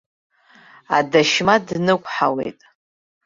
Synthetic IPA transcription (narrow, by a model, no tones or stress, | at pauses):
adaʃmadnɨkʷʼħawe̞̰jtʼ